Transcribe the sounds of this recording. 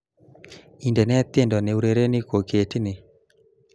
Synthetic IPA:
i˨ndɛ˨nɛ˦t̪e˦˨ndɔ˨ne˨u˦ɾe˨ɾe˦ni˦ko˨ke˨tnɪ˨

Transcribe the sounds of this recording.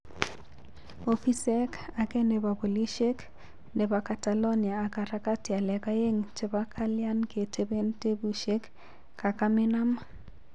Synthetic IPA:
o˦fi˦sɛ˦ka˨kɛ˦ne˨βa˨bo˨li˦ʃe˦k | ne˨ba˨ka˨ta˨lo˦njaː˨ka˨ɾa˦ka˦ti˨a˨lɛ˨ka˦je˦ŋt͡ʃe˨βa˦kʰa˦lja˦nke˨tʰe˦be˦nte˦bu˨ʃe˦k | ka˨ka˦mɪ˦na˦ma

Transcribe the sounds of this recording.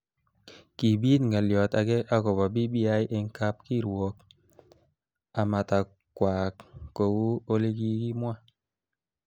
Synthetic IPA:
ki˨bi˦tŋɡa˨ljɔ˨ta˨ɡe˦ʔa˦kɔ˨ba˨bi˦bi˦a˦jʔe˨ŋ˦ka˦p̚ki˦˨ɾwɔ˨k̚ | a˨ma˨ta˨ | kwa˨kko˨wu˦o˦le˦ɡi˦ki˦mwa˦

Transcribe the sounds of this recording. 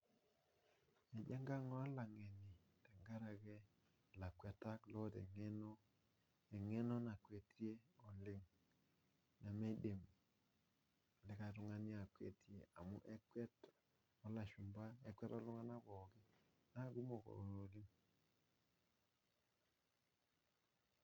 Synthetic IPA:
ɛ˨d͡ʒɛ˦ŋɡa˦ŋɔ˦la˨ŋɛ˨ni˨ | tɛ˨ŋɡa˦ɾa˨kɛ˦˨ | la˨kwɛ˨ta˦klɔ˦tɛ̰˨ŋɛ˦nɔ˦ | ɛ˨ŋɛ˦nɔ˦na˨kwe˨tje˦o˨lɪ˦ŋ | na˨me˦de˨m | lɪ˨ka˨tʊ˦ŋa˦nja˨kwḛ˨tje˨a˨mʊ̰˦ʔɛ˦kwɛ˦t | ɔ˦la˨ʃʊ˨mba˦ɛ˨kwɛ˦tɔ˦lʊ˦ŋa˦na˦bɔ˨kɪ˦ | na˦ɡu˦mo˨ko̰˨ɾo˨lɪ˦ŋ

